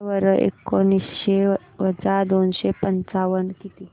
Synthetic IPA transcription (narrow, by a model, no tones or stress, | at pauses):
ʋəɾəʔḛkːonisɕe | ʋəd͡zad̪onɕepənt͡saʋənkit̪i